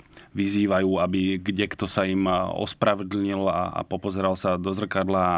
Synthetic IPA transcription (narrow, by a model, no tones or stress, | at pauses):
ʋiziːʋajuːabiɡɟɛkt̪ɔsaimɔ̰spɾaʋɛd̪l̩ɲila̰a̰pɔpɔzɛɾalsad̪ɔzr̩kad̪la